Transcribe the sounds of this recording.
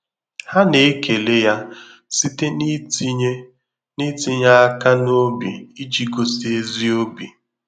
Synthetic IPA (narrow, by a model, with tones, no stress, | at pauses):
ha˦ne˨˦ke˨le˦ja˦ | si˦te˦n˦ | ni˦ti˦ɲa˦a˦ka˦no˦bḭ˨i˦d͡ʒi˨ɡo˨si˨˦e˦zi˦o˦bi˨